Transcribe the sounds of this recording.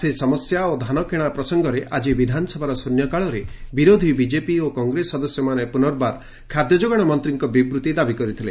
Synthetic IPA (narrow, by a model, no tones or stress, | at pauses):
sesɔmɔsjaod̪ʱanɔkeɽ̃apɾɔsɔŋɡɔɾeʔad͡ʒibid̪ʱanɔsɔbʱaɾɔsunjɔkaɭɔɾebiɾod̪ʱibid͡ʒepiokɔŋɡɾesːɔd̪ɔsjɔmanepunɔɾbaɾ | kʰad̪jɔd͡ʒoɡɔɽ̃ɔmɔnt̪ɾiŋkɔbibɾut̪id̪abikɔɾit̪ʰile